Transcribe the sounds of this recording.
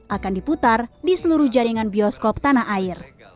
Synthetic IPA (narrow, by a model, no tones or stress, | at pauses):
ʔakandiput̪ardisəluɾuhd͡ʒaɾiŋanbiɔskɔp̚t̪anaɦʔair